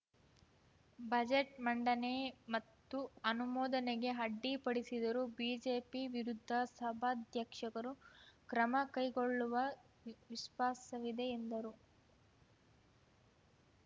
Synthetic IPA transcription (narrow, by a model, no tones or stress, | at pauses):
bʱɐd͡ʒeʈmɐɳɖɐnemɐt̪ːuɐnumɔːd̪ɐneɡe̞ɦɐɖːipɐɽisid̪ɐɾubiːd͡ʒe̞ːpiʋiɾud̪ʱːɐsɐbʱad̪ʱjɐkʂɐkɐɾukɾɐmɐkɐjɡoɭːuʋɐ | ʋiʃʋaːsɐʋid̪e̞ːnd̪ɐɾu